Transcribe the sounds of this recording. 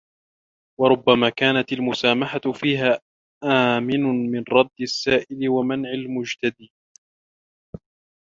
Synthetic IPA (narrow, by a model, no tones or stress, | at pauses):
wɑɾˤʊbːamaːkaːnat̪almʊsaːmaħat̪fiːɦaː | ʔaːmɪnʊmɪnɾˤɑd̪ːasːaːʔɪlɪwamanʕalmʊd͡ʒt̪ad̪iː